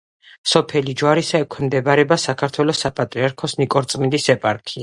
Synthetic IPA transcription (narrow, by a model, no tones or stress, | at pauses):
sɔpʰɛlid͡ʒwaɾisaɛkʰwɛmd̪ɛbaɾɛbasakʰaɾt̪ʰwɛlɔsapʼat̪ʼɾiaɾkʰɔsnikʼɔɾt̪sʼmind̪isɛpʼaɾkʰia